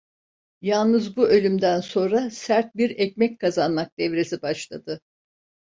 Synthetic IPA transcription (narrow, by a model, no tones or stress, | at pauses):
jalˠnɯzbuø̞lʲymd̪ænso̞nɾasæɾt̪̚biɾɛc̚mɛckʰazanmak̚d̪ɛvɾe̞sibaʃlˠad̪ɯ